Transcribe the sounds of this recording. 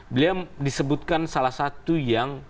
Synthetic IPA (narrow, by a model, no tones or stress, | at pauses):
biliadisəbut̪̚kansalahsat̪ujaŋ